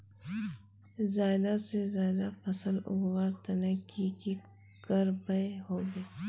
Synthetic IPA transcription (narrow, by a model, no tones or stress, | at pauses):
zaːd̪asezaːd̪afɐsəlʊ̰ɡwaːɾt̪ɐnəkiki | kəɾbɐeɦoːbeː